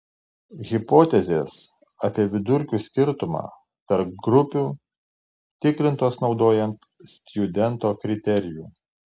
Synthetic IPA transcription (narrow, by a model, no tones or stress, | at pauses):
ɣʲɪpoːt̪ʲɛzʲeːs | ɐpʲiɛʋʲɪd̪ʊɾʲkʲuːsʲkʲɪɾt̪ʊmɑ̰ː | t̪ɐɾp̚ɡɾʊpʲuː | t̪ʲɪkɾʲɪnt̪oːsnɒʊd̪oːjɛnt̪ | sʲt̪ʲjʊd̪ʲɛnt̪oːkɾʲɪt̪ʲɛɾʲɪjuː